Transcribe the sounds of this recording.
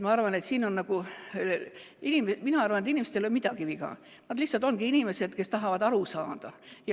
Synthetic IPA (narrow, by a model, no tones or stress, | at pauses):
mɑɑrvɑne̞t̪siːno̞nːɑɡ̥u | inimeminɑɑrvɑnet̪inimest̪elomid̪̥ɑkiviɡ̥ɑ̰ | nɑd̪lihsɑlt̪ˑo̞nɡ̥iinime̞se̞d̪̥ke̞st̪ɑɦɑvɑd̪ɑɾusɑːd̪̥ɑjɑ